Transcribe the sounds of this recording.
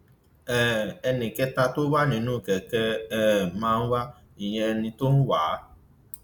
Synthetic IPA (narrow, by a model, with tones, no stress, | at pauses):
ɛ˨ɛ˧nẽ˨kɛ˦t̪a˧t̪o˦wa˦nĩ˨nũ˦˨kɛ˨kɛ˦mã˨˦wa˦ | i˨ɲɛ̃˧nĩ˨˧t̪o˦nũ˦waː˨˦